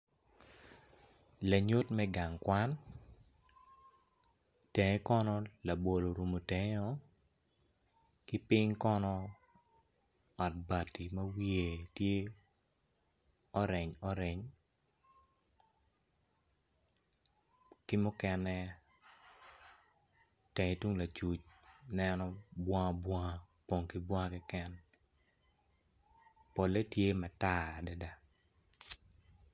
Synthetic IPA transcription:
la˨ɲo˦tmɛ˦ɡa˨ŋkwa˦n | tɛ˨ŋe˦kɔ˦nɔ˦la˨bo˨lo˨ɾu˨mo˨te˨ŋ˦ɔ˦ | ki˦pɪ˦ɲkɔ˦nɔ˦ | ɔ˨t̚ba˨ti˨mɐ˦wi˦e˨tje˦ | ɔ˦ɾɛ˨ɲɔ˦ɾɛ˨ɲ | kɪ˦mʊ˦kɛ˦nɛ˦ | te˨ŋe˨tu˦ŋla˨t͡ʃu˨t͡ʃnɛnɔ˦bwɔ˦ŋa˦bwɔ˦ŋa˦ | po˨ŋki˦bwɔ˦ŋa˦kɪ˦kɛ˦n | po˨le˦tje˦ma˨ta˦˨da˦da˦

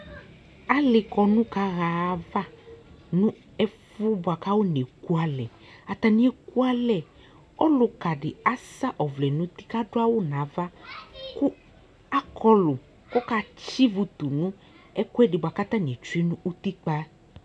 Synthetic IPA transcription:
a˦lɪ˨kɔ˧nũ˦ka˦ɣa˧˦va˦nũ˦ | ɛ˦fu˦bʊ˨a˨ka˦wo˦n˨e˨ku˦a˨lɛ˨a˨t̪a˨nĩ˨˦e˨ku˦a˦lɛ˨ | ɔ˦lʊ˧ka˨ɖɪ˨a˦sa˦ʔɔ˨vlɛ˨nũ˦t̪i˦ka˦dʊ˦a˦wʊ˦nã˨˦va˦ku˦ | a˦kʰɔ˧lʊ˨ | kɔ˦ka˦˧t͡ʃi˦vu˧t̪u˨nũ˦ | ɛ˦ku˦ɛ˦dɪ˨ba˨ka˦t̪a˦n˨e˨t͡ʃu˦i˦nũ˦ʔu˦t̪i˦k͡pa˦

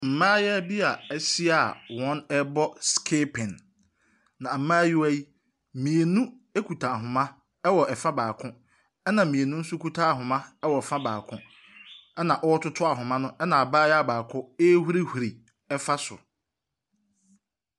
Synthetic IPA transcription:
m̩˨mãː˦jɛ˦bi˦a˨ɛ˦si˦a˨wɔ̃˦nɛ˦bɔ˦skʰeː˦pʰɪ̃˨nː | ã˨m̩˨mãː˦jɪ˦æ˦ji˦ | mĩ˨e˨nũ˦ | e˦kʰu˨tʰa˨ɦʊ̃˨mã˦ | ɛ˦wɔ˨ʔɛ˨fã˦baː˨kʰʊ̃˦ | ɛ˦nã˨mĩ˨e˨nũ˦n̩˦sʊ˦kʰu˦tʰaː˦˨ɦʊ̃˨mã˦ɛ˦wɔ˨ɛ˨fã˦baː˨kʰʊ̃˦ | ɛ˦nã˨ʔɔ˦wɔ˦tʊ˦tʰʊ˦a˨ɦʊ̃˨mã˦nʊ̃˦ɛ˦nã˨a˨baː˦jɛ˦a˨baː˨kʰʊ̃˦e˦hu˦ɾi˦hu˨ɾi˨ | ɛ˦fa˦sʊ̰˨

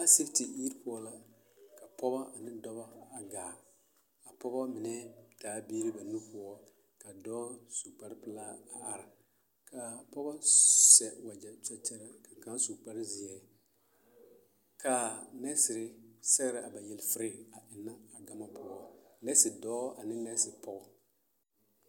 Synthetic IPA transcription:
a˦si˦fti˨i˦ɾpʊ˦ɔ˦la˦ | ka˨pɔ˦ba˦ʔa˨nɪ˦dɔ˦βa˦a˨ɡaː˨ | a˨pɔ˦ba˦mɪ˨nɛ˦taː˨˦biː˦ɾi˦ba˨nu˦pʊ˦ɔ˦ | ka˨dɔː˦su˨k͡pa˦ɾpɨ˦laː˦a˨ʔa˨ɾɪ˨ | kʰa˨pɔ˦ba˦sɛ˨wa˨d͡ʒɛ˨t͡ʃɛ˦t͡ʃɛ˦ɾa˦ka˨ka˦su˨k͡pa˦ɾɪ˦zi˨ɛ˨ | ka˨nɛ˦sɪ˨ɾɪ˦sɛ˦ɣɾɪ˨ʔa˨ba˨jɛ˨lfɪ˦ɾɪ˦a˨ʔɪ˨nːa˦a˨ɡa˦ma˦pʊ˦ɔ˦nɛ˦sɪ˨dɔː˦a˨nɪ˦nɛ˦sɪ˨pɔ˦bɔ˦

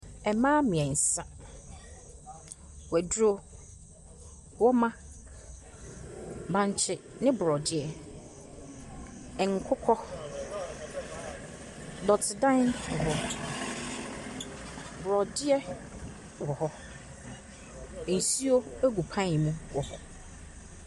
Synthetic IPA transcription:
ɛ˨mãː˦mɪ̃˨ɛ̃˨n̩˨sa˦ | wɛ˨dɾo˦ | wɔ˦mã˦ | bã˨ɲ˦t͡ɕʰɪ˨nɪ̃˦bɾɔ˨dɪ˦ɛ˨ | ɛ˨ŋ̩˨kʰʊ˦kʰɔ˦ | dɔ˨tʰɪ˨dã˦n̩˨ɦɔ˨ | bɾɔ˨dɪ˦ɛ˦ | wɔ˨hɔ˦˨ | n̩˨si˦o˦æ˦ɡu˨pʰã˦˨mũ˦wɔ˨hɔ˦

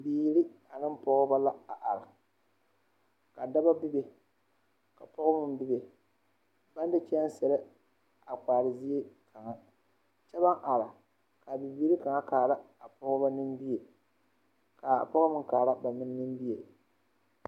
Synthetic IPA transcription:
biː˨˦ɾi˦ | a˨nɨ˦mpɔ˦ɣʊ˦ba˦la˦a˨ʔa˨ɾa˨ | ka˨da˦ba˦bɪ˦be˨ | ka˨pɔ˦ɣʊ˦mɨ˦mbɪ˦be˨ | ba˦n˦dɨ˦t͡ʃɛ˦a˦n˦sɛ˨ɾɨ˦ | a˨k͡paː˨ɾɨ˨zi˦e˦kʰa˨ŋa˦ | t͡ʃɛ˦ba˦ŋʔa˨ɾa˨ | ka˨bɪ˨biː˨˦ɾi˦ka˨ŋa˦kaː˨ɾa˦ | a˨pɔ˦ɣʊ˦ba˦nɨ˦mbi˦e˨ | ka˨pɔ˦ɣʊ˦mɨ˦kaː˨ɾa˦ba˨mɨ˦n˦nɨ˦m˦bi˦je˨

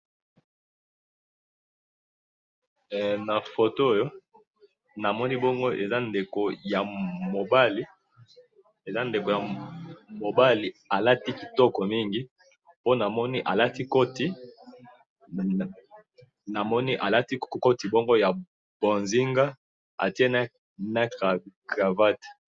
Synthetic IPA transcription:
na˨fo˨to˦o˦jo˦ | na˨mɔ˦ni˦bɔ˦ŋɡo˦ʔḛ˨za˦nde˨ko˨ja˨mo˨ba˦li˦ | e˨za˦nde˨ko˨ja˨mo˨ba˦li˨a˨la˦ti˦ki˨tɔ˦kɔ˨mi˦ŋɡi˦ | po˦na˨mɔ˦ni˦ʔa˨la˦ti˦ko˦ti˦ | na˨mɔ˦ni˦ʔa˨la˦ti˦ko˦ti˨bɔ˦ŋɡo˦ja˨ | b̥o˨nzi˦ŋɡa˦ | a̰˨ti˦e˦na˦ | na˦ka˨ka˨va˦te̥˨

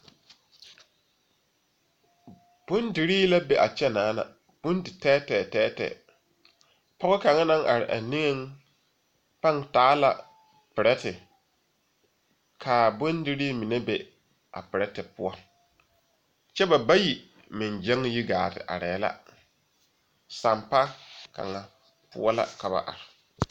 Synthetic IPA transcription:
b̥ʊ˦ndi˨ɾiː˦la˦be˨ʔa˨t͡ʃɛ˦naː˨˦na̰˨ | b̥ʊ˦ndɪ˨tɛː˦tɛː˨tɛː˦tɛ̰ː˨ | pɔ˦ɣɔ˦ka˨ŋɛ˦nã˦ŋʔa̰˨ɾɪ̰˨ʔa̰˨nɪ̃˦ŋɛ˦ŋ | pa˦˨ŋtaː˦la˨ | pɪ˨ɾɛ˦tɪ˨ | kʰaː˨bʊ˦ndɪ˦ɾi˦mi˨ne˦be˦ | ʔa̰˨pɪ˨ɾɛ˦tɪ˨pʊ˦ɔ˦ | t͡ʃɛ˦ba˨ba˦ji˨ | mɪ˨n˨d͡ʒɛ˦ŋji˦ɡa̰ː˨tɪ̰˨ʔa̰˨ɾɛː˨˦la̰˦ | sa˨mpa˦ka̰˨ŋa˨ | pʊ̰˦ɔ˦la̰˦ka˨ba̰˨ʔa̰˨ɾɪ˨

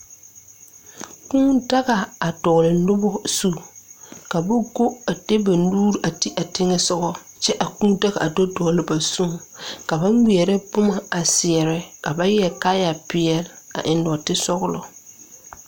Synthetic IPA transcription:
kũː˦da˦ɣa˨a˨dɔ˨lɪ˨nʊ˦bɔ˦su˦ka˨ba˦ɡo˦a˨de˦ba˨nuː˦ɾi˨ʔa˨ti˦ʔa˨tɪ˦ŋɛ˦sʊ˦ɣɔ˦ | t͡ʃɛ˦ʔa˨kũː˦da˦ɣa̰˨a˨do˦dɔ˨lɪ˨ba˨sũ˦˨ka˨ba˦ŋwi˨ɛ˨ɾɛ˦bʊ˦ma˨a˨sɪ˨ɛ˨ɾɛ˦ka˨ba˦jɛ˨kaː˦ja˨pɪ˨ɛ˨la̰˨ʔɪ˨ndɔ˨tɪ˦sɔ˦ɣʊ˦lɔ˨

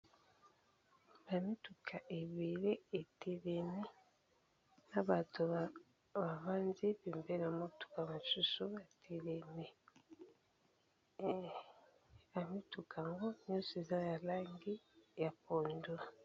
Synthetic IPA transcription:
βa˨mi˦tu˨kʰa˨ʔe˨βi˨le˦e˨ti˨ɾe˨mi˦ | na˦βa˨tu˨ | βa˨βa˦nzi˦βi˨mbe˦la˨mo˦tu̥˨ka˨ma˨ʃu˦su˦βa˨tʰi˨ɾe˨mi˨ | a˨mi˦tu˨kʰa˨ŋɡo˦no˦se˨za˦ja˨laː˦ŋɡi˦ja˨po˨ndu˦a˨

